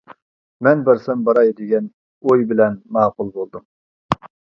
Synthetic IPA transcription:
mɛnbæɾsɛmbɑɾɑjd̪eɡʲɛn | ojbɪlɛnmɑːqʊlˠbolˠd̪ɨm

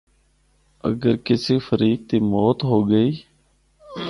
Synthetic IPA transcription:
ə̰ɡəɾkɪsiːfəɾiːk̚t̪iːmoːt̪ɦoːɡəiː

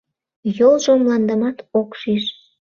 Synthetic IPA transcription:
jolˠʒomlɑnd̪əmɑt̪okʃiʃ

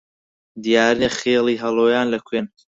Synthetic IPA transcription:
d̪ijaːɾneχeːlˠiːɦɐlˠoːjaːnlɐkʰweːn

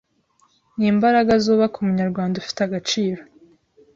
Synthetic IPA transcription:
niːmbaɾaɡazuːβakumuɲaɾɡwaːndaufi̥taɡat͡ʃiːɾo̞

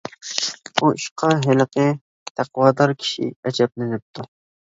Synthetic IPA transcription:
buiʃqʰɑɦɪləqɨ | t̪ʰæqwɑːd̪ɑɾkʲʰi̥ʃḭɛt͡ʃʰɛp̚lɪnɪp̚t̪ʰu

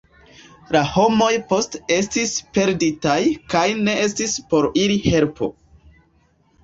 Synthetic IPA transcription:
laho̞mo̞jpo̞ste̞stispe̞ɾditajkajne̞e̞stispo̞ɾiɾihe̞lpo̞̰

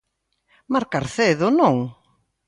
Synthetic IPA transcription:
maɾkaɾθeðʊnõŋ

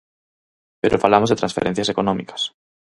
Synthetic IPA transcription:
peɾʔofalamozðet̪ɾãnsfḛɾen̟θjasekonõmḭkḁs

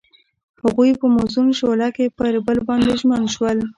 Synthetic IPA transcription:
haɣujpəmosumʃolakepəɾbəlbɑnd̪eʒmənʃwəl

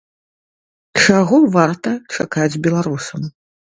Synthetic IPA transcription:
t͡ʂaɣɔvart̪ɐt͡ʂakad͡zʲbʲɛlˠaɾusɐm

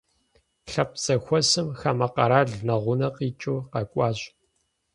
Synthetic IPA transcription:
ɬɐp̚z̥ɐxʷɔsɨmxamɐqɐɾaːɮnɐʁʷʊnɐqiːt͡ʃʼuːqɐkʷʼɑːɕʼ

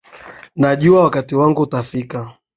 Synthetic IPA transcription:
naʄuawakatiwaŋɡutafika

